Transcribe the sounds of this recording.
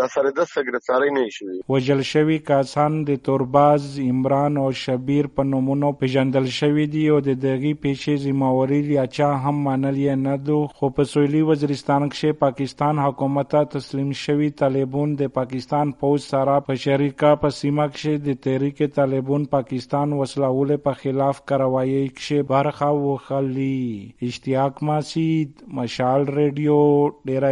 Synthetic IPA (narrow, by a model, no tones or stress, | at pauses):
d̪asaɾid̪asəɡɾeft̪aɾəjnɐiʃəwiwɐʒəlʃəwikasand̪ət̪oɾbazɪmɾaːnoʃɐbiɾpənumunopeʒand̪əlʃəwid̪iod̪əd̪ɐɣipeʃezimawaɾiljat͡ʃaɦamːanəljenad̪uxopəsoliwɐziɾist̪aːnkʃepakist̪aːnɦakumat̪at̪aslimʃəwit̪alebund̪əpakist̪aːnpowd͡ʒsaɾapəʃɐɾikapəsimakʃed̪ət̪ɐɾiket̪alebunpakist̪aːnwɐslawulepəxɪlaːfkaɾawaːjəkʃebɐɾxawuxəliɪʃt̪ijaːkmasid̪mɐʃaːlɾeɖijoɖeɾa